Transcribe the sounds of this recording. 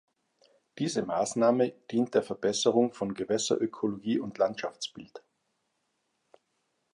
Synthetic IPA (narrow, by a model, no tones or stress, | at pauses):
d̥iːzəmaːsnaːməd̥iːnt̚d̥eːɐfɛɐbɛsəʁʊŋfɔnɡəvɛsɐ̰ʔøkʰoloɡiːʔʊntlantʃaft͡sb̥ɪlt